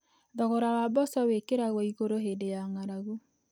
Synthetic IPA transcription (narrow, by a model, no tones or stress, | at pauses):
ðɔɣɔɾawabɔsɔwekeɾaɣɔiɣoɾoɦedejaŋaɾaɣo